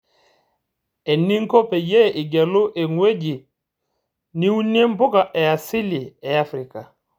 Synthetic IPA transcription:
e˨ni˦ŋ̩˦ko˦pɛ˨jɛ˦˨ʔi˨ɡɛ˨lʊ˦ʔe˨ŋwe˦d͡ʒi˨ | ni˦u˦n˦e˦m˦bʊ˦ka˨ʔɛ˨a˨si˦li˨ɛ˨a˦fɾi˨ka˨

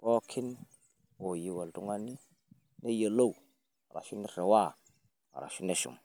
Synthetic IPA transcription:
bo˦kʰi˦n | o˨ji˨wa˨ldu˨ŋa˦ni˦ | ne˦jə˨lo˦u˨ | a˨ɾa̰˨ʃi˦ni˦˨ɾe˨wa˦˨ | a̰˨ɾa̰˨ʃi˦ne˦ʃṵ˨m

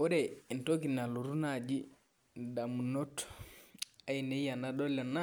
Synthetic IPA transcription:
o˦ɾɛ˨i˨nto˦ki˨na˨lu˨ɾu˦na˦˨d͡ʒi˦ | da˨mu˨no˦t | a˦i˨ne˦ja˨na˦do˦lɛ˨na˦

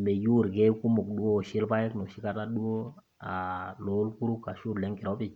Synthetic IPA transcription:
me˨ju˦˨ɾɡɛ˦ku˦mo˨k̚ɗu˦wo˦˨ʃi˦lpa˦jɛ˦kno˨ʃi˦ka˦ta˦ɗu˦o˦ | a˨lo˨˦lku˦ɾu˦ka˨ʃu˦ɾlɛ˨˦ŋki˨ɾo˨˦bi˨t͡ʃ

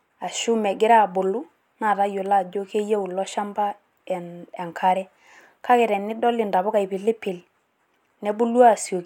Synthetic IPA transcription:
a˨ʃʊ˦mɛ˨ɡɪ˦ɾa˦˨bʊ˨lʊ˦ | na˨ta˦jo˨la˦˨d͡ʒo˦ke˦je˦u˨lɔ˦ʃa˦mba˦ | ɛ˨nɛ˨ŋkʰa˦ɾɛ˦ | kʰa˦kɛ˨ɾɛ˨nɪ˦dɔ˦lɪ˨nda˨βʊ˦ka˨i˨pɪ˨lɪ˦pɪ˨l | nɛ˨˦bʊ˦lwa˦˨sjo˨k

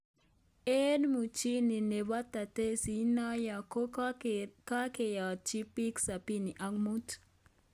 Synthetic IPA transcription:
enmut͡ʃi˦ni˨ne˨βa˦t̪a˨t̪e˦si˨najako | kakeja˨t͡ʃi˦pi˦ksa˨pi˦ni˨ʔaŋmut

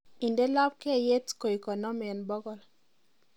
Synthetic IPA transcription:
i˨nde˦la˦p̚ke˦˨je˦tko˨i˨kɔ˨nɔ˦mɛ˨nbɔ˦ɡɔ˨l

